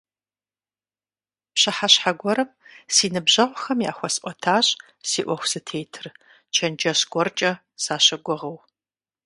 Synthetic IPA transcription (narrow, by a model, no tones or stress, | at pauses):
pɕɐħaɕħaɡʷɔɾɐmsiːnɨbʑɐʁʷxɐmja̰ːxʷɔsʔʷʼɔtʰaːɕʼ | siːʔʷɔxʷsɨtʰeːjtʰɨr | t͡ʃʰɐnd͡ʒɐsɡ̥ʷɔrt͡ʃʼɐ | saːɕɐɡʷɔʁɐw